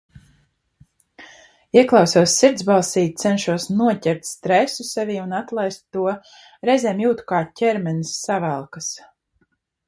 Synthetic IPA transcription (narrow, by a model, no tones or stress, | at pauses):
iɛklˠɑwsuɔsːiɾd̪zbalˠsiːt̪̚t̪sɛnʃuɔsnuɔcɛɾt̪ʲst̪ɾɛsusɛviːunat̪lˠajst̪ːuɔ | ɾɛzʲɛːmjuːt̪u̥kaːcʲɛɾmɛnisːavælˠkas